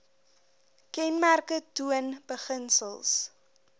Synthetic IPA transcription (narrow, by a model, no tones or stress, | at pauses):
kɛnmærkətuənb̥əχənsəlˠs